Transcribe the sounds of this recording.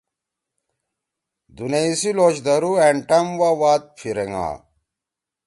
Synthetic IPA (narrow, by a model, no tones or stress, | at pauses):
d̪uneisiloːɕd̪ɐɾueɳʈɐmwawaːt̪̚pʰiɾeŋa̰ː